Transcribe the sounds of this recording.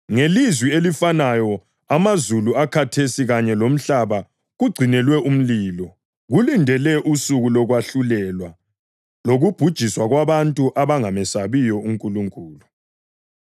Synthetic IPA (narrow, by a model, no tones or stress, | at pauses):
ŋelizwielifanajɔ | amazuluakʰatʰesiɣaɲɛlom̩ɬaβa | ɣuɡ͡ǀʱinɛlwɛʔum̩lilɔ | ɣulindʱɛlɛʔusuɣulɔɣwaɬulɛlwa | loɣub̥ʱud̥ʒ̥ʱiswaɣwaβantʼuʔaβaŋamɛsaβijɔuŋkʼuluŋkʼuːlu